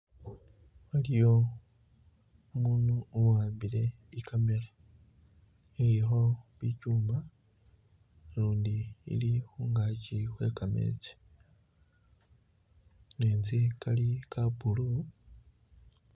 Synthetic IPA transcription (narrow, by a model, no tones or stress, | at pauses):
walijo̞ | muːnuːwaːmbile̞ | ikʰame̞la | eɾixo̞βicuːma | luːndḭːlixuːŋɡacixwe̞ːkamḛt͡se̥ | neːnzikalikabulu